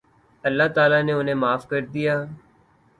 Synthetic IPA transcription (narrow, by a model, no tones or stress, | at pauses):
əlːaːt̪aːlaːneʊnẽːmaːfkəɾd̪ijaː